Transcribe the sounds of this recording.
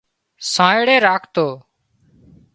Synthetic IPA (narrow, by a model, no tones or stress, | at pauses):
sãːɪɽeːɾaːkʰt̪oː